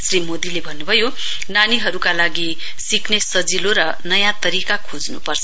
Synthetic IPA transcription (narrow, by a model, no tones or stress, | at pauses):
srimod̪ilebʱʌnːubʱʌjo | naniɦʌɾukalaɡi | siknesʌd͡ziloɾʌ | nʌjãt̪ʌɾikakʰod͡znupʌrt͡sʰʌ